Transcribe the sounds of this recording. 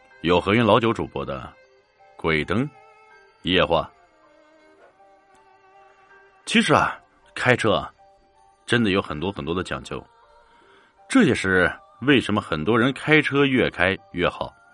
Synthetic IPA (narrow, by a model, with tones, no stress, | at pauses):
jo˨˩ʊxɤ˧˥ɥy˧˥nlɑ˧˥ʊt͡ɕjo˧˥ʊʈ͡ʂu˨˩pwɔ̰˥d̪ə̰˧ | kwe˨˩ɪt̪ɤ˥ŋ | jɛ˥˧xwa̰˥˩ | t͡ɕʰi˧˥ʂɻ̩˧˥ɐ̰˨˩ | kʰa˥ɪʈ͡ʂʰɤ˥ɐ̰˨˩ | ʈ͡ʂə˥nd̪ə˨jo˧˥ʊxə˨˩nt̪wɔ˥xə˨˩nt̪wɔ˥d̪ə˧t͡ɕjɑ̰˨˩ŋt͡ɕjo˥˩ʊ | ʈ͡ʂɤ˥˩ɕjɛ˥ʂɻ̩˥˩ | we˥˩ɪʂə˧˥nmə˧xə˨˩nt̪wɔ˥ɻə˧˥nkʰa˥ɪʈ͡ʂʰɤ˥ɥɛ˥˩kʰa˥ɪjɥɛ˥˩xɑ˨˩˦ʊ